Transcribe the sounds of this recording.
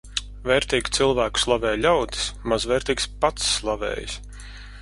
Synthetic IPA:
vɛːɾt̪iːɡʲt̪silˠvæːku̥slˠavɛːjlʲawd̪i̥smazvɛːɾt̪iːkspat̪sːlˠavɛ̰ːj̰s

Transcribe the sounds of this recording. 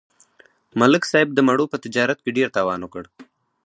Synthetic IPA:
malɪksɑːɪb̚d̪əmaɽopət̪ɪd͡ʒɑːɾat̪̚keɖeɾt̪ɑːwɑːnwokəɽ

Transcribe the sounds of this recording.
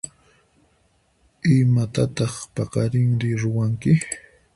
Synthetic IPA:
ɪmat̪at̪ɑχpɑqɑɾɪŋɾɪɾʊwaŋkɪ

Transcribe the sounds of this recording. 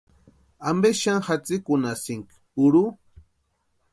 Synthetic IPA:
ambeʃaŋxat͡sɪkʊnasɪŋk | uɾu

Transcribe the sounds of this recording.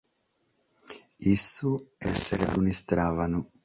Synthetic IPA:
isːu | ɛsːeɾed̪unist̪ɾaːvanu

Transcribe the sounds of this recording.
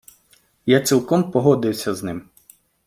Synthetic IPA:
jat͡sʲilˠkɔmpɔɦɔd̪ɪwsʲɐznɪm

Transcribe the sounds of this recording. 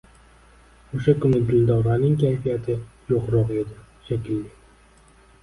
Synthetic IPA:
oʃakʊnɪɡ̪ɪld̪ɒɾanɪŋkʲʰajfijat̪ʰɪjoqɾɒqed̪ɪ | ʃakʲɪlːɪ

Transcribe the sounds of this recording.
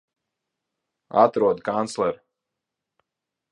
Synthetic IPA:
a̰t̪ɾuɔd̪kant̪slˠɛɾ

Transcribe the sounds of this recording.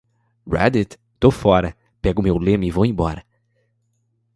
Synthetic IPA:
ɹɛ̰d̪it̪ | t̪ofɔɾɐ | pɛɡʊmewlẽmivowẽbɔɾɐ

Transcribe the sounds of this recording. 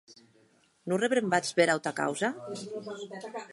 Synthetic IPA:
nureβɾembat͡sβeɾawt̪aka̰wza

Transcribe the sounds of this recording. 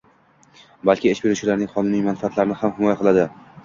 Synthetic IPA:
balkʲɪɪʃbe̞ɾut͡ʃʰɪlaɾnɪŋʲχɒnɪnijmanfaat̪laɾɪnɪhamhɪmɒjaqʰɨlˠad̪ɪ

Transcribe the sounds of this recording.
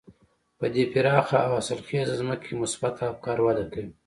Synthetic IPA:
pəd̪epɪɾɑːxaawasəlxeːzazməkʰemʊsbat̪ʰakɑːɾwad̪akəi

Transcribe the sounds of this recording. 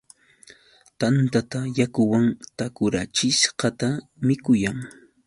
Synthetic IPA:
t̪ant̪at̪ajakʊwaŋt̪akʊɾat͡ʃɪʃɢɑt̪amɪkʊjaŋ

